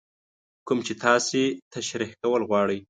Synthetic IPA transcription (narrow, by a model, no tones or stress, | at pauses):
kʊmt͡ʃet̪ɑset̪aʃɾihkawəlɣwɑɽəj